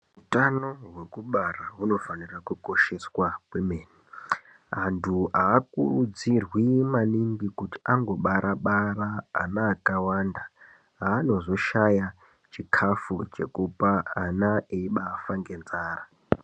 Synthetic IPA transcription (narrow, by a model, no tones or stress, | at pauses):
utano̞ɦwekuɓaraɦuno̞fanirakuko̞ʃe̞swakwemeːni | antʰuaːkṵrud͡zirwimaniŋɡikuti̥ʔaŋɡo̞ɓaɾʔaɓara̰ːnaːkawanda | ɦaːno̞zo̞ʃaja | t͡ʃikʰafut͡ʃe̞̰kupaːnaeiɓaːfaŋɡe̞nzaːra